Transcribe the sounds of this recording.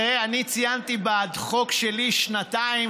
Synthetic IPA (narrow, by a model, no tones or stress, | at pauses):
eanit͡sijant̪ibad̪χo̞kʃeliʃnat̪ai